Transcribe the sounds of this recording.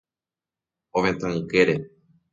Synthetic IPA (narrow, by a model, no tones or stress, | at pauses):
õmẽt̪ãɨkeɾe